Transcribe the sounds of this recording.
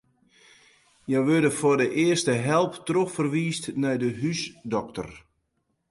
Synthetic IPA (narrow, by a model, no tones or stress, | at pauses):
jɛwʋørdəfʊrdəʔɪərstəɦɛlˠptroxfərʋiːstnɛjdəɦysdɔk̚tə̰r